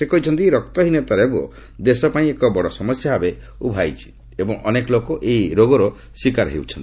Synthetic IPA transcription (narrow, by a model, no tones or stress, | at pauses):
sekɔɦit͡ʃʰɔnt̪iɾɔk̚t̪ɔɦinet̪aɾebo̰ | d̪esɔpaĩekɔbɔɽɔsɔmɔsjaɦabe | ubʱajt͡ʃʰi̥ | ebɔŋʔɔnekɔlokɔʔejɾoɡɔɾɔ | swikaɾɦḛwt͡ʃʰɔnt̪i̥